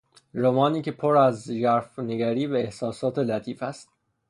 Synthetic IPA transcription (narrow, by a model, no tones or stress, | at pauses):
ɾomɒːniːcʰe̞pʰoɾæzjæɾfneɡæɾiːbeːhsɒːsɒːt̪ʰe̞læt̪ʰiːfæst̪̚